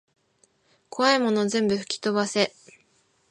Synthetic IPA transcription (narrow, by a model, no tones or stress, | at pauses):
ko̞aimo̞no̞zẽ̞mbɯ̟ɸɯ̟̥kʲi̥t̪o̞βase̞